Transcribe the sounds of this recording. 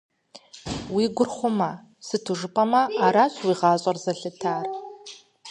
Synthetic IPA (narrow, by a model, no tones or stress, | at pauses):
wiɡʷʊrχʷʊmɐ | sɨtʰɨʐɨpʼɐmɐːɾaɕʰwiʁɑːɕʼɐrzɐɬɨtʰaːr